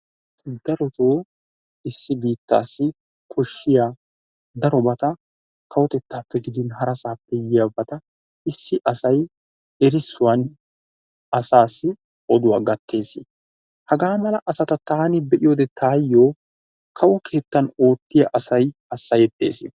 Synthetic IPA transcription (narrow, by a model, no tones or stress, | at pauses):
d̪ɐɾɔt̪oː | ɪsːɪbiːt̪ːa̰ːsːɪ | kʰɔʃːɪjaː | d̪ɐɾɔbɐt̪ɐ | kʰɐwɔt̪ɛt̪ːaːpːɛɡɪd̪ɪnɦɐɾɐsaːpːɛjɪjɐbɐt̪ɐ | ɪsːɪʔɐsɐj | ɛɾɪsːʊwɐn | ɐsaːsːɪ | ʔɔd̪ʊwaːɡɐt̪ːe̞ːsɪ | hɐɡaːmɐlɐʔɐsɐt̪ɐt̪aːnɪbɛʔɪjoːd̪ɛt̪ʰaːjːo̞ː | kʰɐwɔkʰe̞ːt̪ːɐno̞ːt̪ːɪjɐʔɐsɐjɐsːɐjɛt̪ːe̞̰ːsɪ